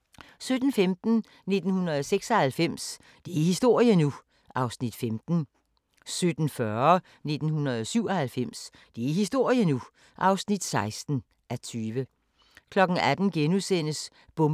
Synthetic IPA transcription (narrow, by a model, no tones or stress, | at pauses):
sød̥n̩femd̥n̩ | ne̝d̥n̩hunɐðˠseɡ̥sɐhælfem̰s | d̥e̝æhisd̥o̝ɐ̰jənu | ʔɑ̈ʊsnid̥femd̥n̩ | sød̥n̩fɶɐɐ | ne̝d̥n̩hunɐðˠɒsyʊ̰ɐhælfem̰s | d̥e̝æihisd̥o̝ɐ̰jənu | ʔɑ̈ʊsnid̥sɑ̈ɪsd̥n̩ | ʔæt͡sʰyːʋə | kʰlɒ̽ɡ̥n̩æd̥n̩ɡ̥enusen̰əs | b̥ɔ̽m